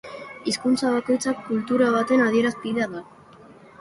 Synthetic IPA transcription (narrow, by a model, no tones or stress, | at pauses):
iskunt͡saβ̞ako̞jt͡sakːult̪uɾaβ̞at̪e̞nað̞ie̞ɾaspiðaða